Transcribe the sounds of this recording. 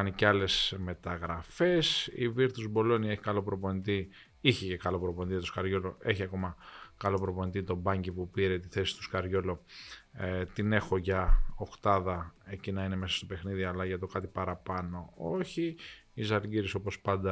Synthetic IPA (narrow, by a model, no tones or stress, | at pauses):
ɐnicɐle̞sme̞t̪ɐɣɾɐfe̞sḭviɾt̪uzbo̞lo̞nie̞çi̥kɐlo̞pɾopo̞nit̪i | içecekɐlo̞pɾo̞ponit̪ijɐt̪oskɐɾʝo̞loe̞çiɐko̞mɐkɐlo̞pɾo̞po̞nit̪it̪o̞bɐɲɟipupiɾet̪iθe̞si̥st̪u̥skɐɾʝo̞lo | t̪ine̞xo̞ʝɐokt̪ɐðɐe̞cinɐine̞me̞sɐ̥st̪o̞pe̞xniðiɐlɐʝɐt̪o̞kɐt̪ipɐɾɐpɐno̞o̞çi | izɐlɡiɾiso̞po̞spɐnd̪ɐ